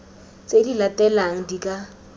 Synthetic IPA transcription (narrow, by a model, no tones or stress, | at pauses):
t͡sʼedilatʼɛlaŋ̩dikʼa